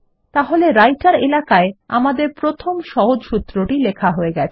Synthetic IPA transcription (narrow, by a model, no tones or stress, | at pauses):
t̪aɦoleɾajʈaɾelakaea̰mad̪eɾpɾot̪ʰomʃɔɦod͡ʑʃut̪ːɾoʈilekʰaɦoeɡɛt͡ɕʰe